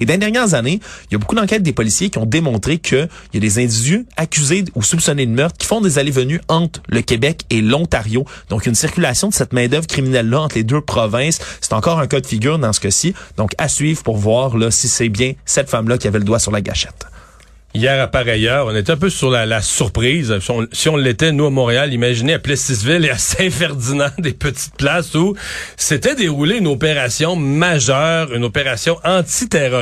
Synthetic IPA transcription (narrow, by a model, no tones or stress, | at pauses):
ed̪ẽd̪ɛʁɲjɛːʁzanejabokud̪ɑ̃kʲɛːt̪̚d̪epɔlisjekʲiɔ̃d̪emɔ̃t̪χekʰəjad̪ezɛ̃d̪idyakʲyzeusupsɔnenmœʁt̪kʲi̥fɔ̃d̪ezalevənyɑ̃t̪χləkʲebɛkelɔ̃t̪aʁjod̪ɔ̃kynsiʁkʲylasjɔ̃d̪ə̥sɛt̪mɛ̃d̪œvʁkχiminɛlːʌɑ̃t̪χled̪øpχɔvɛ̃ssɛ̥t̪ɑ̃kɔːʁɛ̃kɔd̪əfiɡʲyːʁd̪ɑ̃sə̥kəsid̪̥ɔ̃kasɥiːvʁpuʁvwaːʁlʌsisɛbjɛ̃sɛt̪famlʌkʲiavɛləd̪wasyʁlaɡa̰ʃɛ̥t̪ | ijɛːʁapaʁajœːʁɔ̃net̪ɛɛ̃p̬øsyʁlalasyʁpχiːzsɔ̃siɔ̃lːet̪ɛnuamɔ̃ʁealimaʒineaplɛsizvɪleasɛ̃fɛʁd̪inɑ̃d̪epət̪i̥t̪̚plasuset̪ɛd̪eʁuleynopeʁasjɔ̃maʒœːʁynopeʁasjɔ̃ʔɑ̃t̪it̪eʁɔ